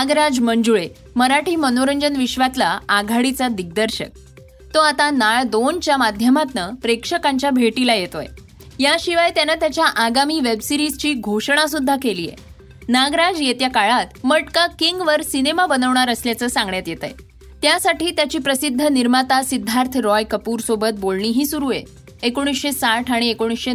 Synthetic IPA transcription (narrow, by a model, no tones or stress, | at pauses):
naɡɾad͡zməɲd͡zuɭe | məɾaʈʰiːmənoɾəɲd͡ʑənʋiɕʋat̪laːɡʱaɽit͡sad̪iɡ̚d̪əɾɕə̰k̚ | t̪oat̪anaɭd̪ont͡ɕjamad̪ʱjəmat̪nəpɾekʂəkãɲt͡ɕjabʱeʈilajet̪o̰j | jaɕiʋajt̪janət̪jat͡ɕjaʔaɡamiːʋebsiɾizt͡ɕiːɡʱoʂɳ̃asud̪ʱːakelḭːjḛ | naɡɾad͡zjet̪jakaɭat̪məʈkakiŋɡʋəɾsinemabənəʋɳaɾəsljat͡səːsãŋɡɳjat̪jet̪ə̰j | t̪jasaʈiːt̪jat͡ɕiːpɾəsid̪ʱːəniɾmat̪asid̪ʱːaɾt̪ʰɾɔjkəpuːɾsobət̪̚bolɳ̃iːɦiːsuɾujḛ | ekoɽ̃isɕesaʈʰaɽ̃iekoɽ̃isɕe